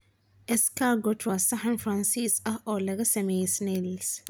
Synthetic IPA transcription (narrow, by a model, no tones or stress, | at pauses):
ɛskaɡɔtʰɾɔsahãnfɾãnsisahɔlɛɡɐsɛmesnels